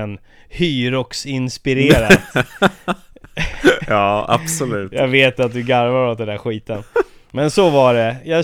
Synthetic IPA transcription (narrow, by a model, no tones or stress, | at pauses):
ɛn | hyːɾɔksɪnspɪɾeːɾat̪ | ɑːa̰b̥sɔlʉːt̪jaːɡveːt̪at̪̚d̪ɵɡaɾvaɾɔt̪̚d̪ɛnd̪æɧiːt̪ən | mɛnsɔvaɖɛjɑː